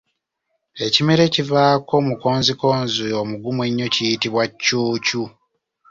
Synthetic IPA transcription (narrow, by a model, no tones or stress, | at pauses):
e̞cimeɾe̞civaːko̞muko̞ːnziko̞ːnziomuɡumweɲːo̞cijitiβwacːuːcu